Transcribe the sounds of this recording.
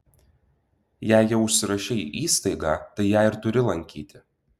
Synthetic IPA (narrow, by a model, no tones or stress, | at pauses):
jæːˑɪjɛʊʊʃʲsʲɪɾɐʃʲɛḭːʔiːst̪ɐɪɡɑ̰ːt̪ɐɪjæːɪɾt̪ʊɾʲɪlˠɐŋʲkʲḭːt̪ʲɪ